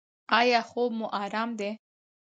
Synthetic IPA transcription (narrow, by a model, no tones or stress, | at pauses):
ɑjɑxobmuʔɑɾɑmd̪e